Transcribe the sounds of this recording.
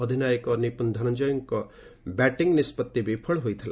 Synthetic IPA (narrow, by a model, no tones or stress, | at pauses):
ɔd̪ʱinaːjəkɔnipund̪ʱɐɾɐnd͡ʒɔjɔŋkɔ | bɛʈiŋɡnispɐt̪ːibepʰəɭɦojt̪ʰila̰